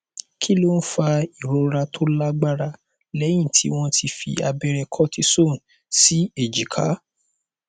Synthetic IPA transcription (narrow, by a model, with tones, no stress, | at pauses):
kʰi˦lo˦n̩˦fa˧i˨ɾo˨˧ɾa˧tʰo˦la˦ɡ͡ba˦ɾa˧ | lɛ˨˦j̃ĩ˦˨tʰḭ˨˦w̃ɔ̃˦tʰi˧fḭ˧a˧bɛ˧ɾɛ˧kʰɔ˦ti˧so˦˨n̩˨ | si˦e˨d͡ʒi˨kʰa̰˨˦